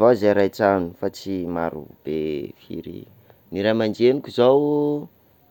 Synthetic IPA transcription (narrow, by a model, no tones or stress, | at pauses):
vazeɾajt͡sanu̥fat͡simaɾṵb̥efḭɾḭ | niɾamand͡ʒenikʲuzaw